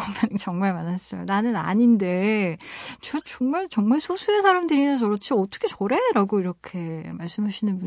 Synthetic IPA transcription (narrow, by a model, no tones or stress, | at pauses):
mant͡ɕʌŋmaɭmanaɕ͈ʌjo̰nanɯna̰ɲinde̞ | t͡ɕʌt͡ɕʌŋmaɭt͡ɕʌŋmaɭsʰosʰuesʰaɾamdɯɾinʌsʰʌɾʌt͡ɕʰiʌt͈ʌkʰe̞t͡ɕʌɾe̞ɾaɡoiɾʌkʰe̞maɭs͈ɯmɦaɕʰinɯnbu